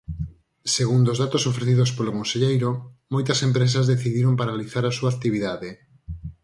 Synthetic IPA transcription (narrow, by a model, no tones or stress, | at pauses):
seɣund̪ozðat̪osofɾeθiðospolokonseʎejɾomojt̪ɐsempɾes̬ɐzðeθiðiɾompaɾaliθaɾasuak̚t̪iβiðaðe